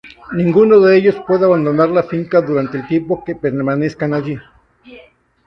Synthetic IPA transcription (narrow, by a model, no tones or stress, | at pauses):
nĩŋɡunoðeeʝospwe̞ðeaβand̪onaɾlafiŋkaðuɾant̪elt̪jempo̞kepeɾmaneskanaʝi